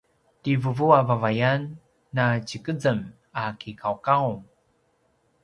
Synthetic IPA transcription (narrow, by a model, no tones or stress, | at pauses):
tivəvuavavajanː | at͡ɕikəd͡zəm | akikʰawkawm